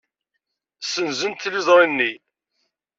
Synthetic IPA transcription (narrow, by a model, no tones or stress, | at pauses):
sənzənt̪ːlizˤɾˤinːi